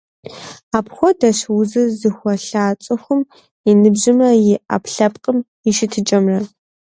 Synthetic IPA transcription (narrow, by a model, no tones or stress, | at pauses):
aːpxʷɔdɐɕwʊzɨzɨxʷɔɬaːt͡ʃʼɨxʷʊm | inɨbʑɪmɐjɪʔa̰pɬɐpqʼəm | ɪʃɪtʰɨt͡ʃʼɐmrɐ